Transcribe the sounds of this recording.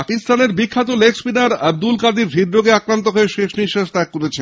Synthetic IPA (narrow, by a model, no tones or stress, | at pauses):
akist̪aneɾbikʰːat̪̬oleksbinaɾab̚d̪ulkad̪iɾɦid̪ɾoɡeakɾant̪oɦoeʃeʃniʃaʃt̪akːoɾet͡ɕʰe